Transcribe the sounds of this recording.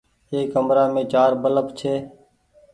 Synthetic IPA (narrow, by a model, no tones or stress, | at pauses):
ɦeːkəmɾaːmẽːt͡ʃaːɾbələpt͡ʃʰeː